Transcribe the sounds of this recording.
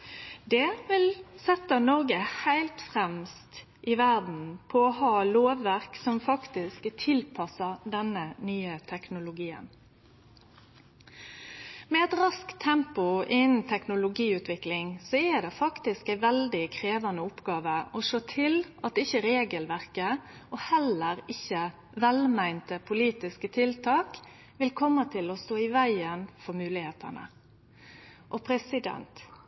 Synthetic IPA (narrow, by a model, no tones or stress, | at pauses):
d̪ɛʋɪlsɛt̪ːənɔʁɡəhæɪlt̪fʁɛmst̪ | ʔɪʋæʁd̪n̩pʰɔɔhɑːloːʋːæʁksɔmfɑkt̪ɪskt̪ʰɪlpʰɑsəʁd̪ɛnənyːət̪ʰɛknʊlʊɡiːə̰n | mɛɛt̪ʁɑskt̪ʰːɛmpʊʔɪnn̩t̪ʰɛknʊlʊɡiːʉːt̪ʋɪklɪŋsɔɛd̪ɛfɑkt̪ɪskæɪʋɛld̪ɪkʰɾeːʋɑnəʊpɡɑːʋəɔʂoːt̪ʰɪlɑt̪̚d̪ɪçəɾeːɡəlʋæʁkəʔoːhɛləɾɪçə | ʋɛlmæɪnt̪əpʰʊliːt̪ɪskət̪ʰɪlt̪ʰɑːk | ʋɪlkʰɔmːət̪ʰɪlɔst̪oːɪʋæɪənfɔɾmʉːlɪheːt̪ʰə̰nə̰ | ʔɔpʰɾɛsɪd̪ɛ̰nt̪